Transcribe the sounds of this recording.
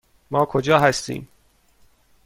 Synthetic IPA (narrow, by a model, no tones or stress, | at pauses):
mɒːkʰod͡ʒɒːɦæst̪ḭːm